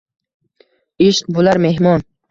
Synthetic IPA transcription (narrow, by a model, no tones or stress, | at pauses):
iʃqbulaɾme̞ɦmɒn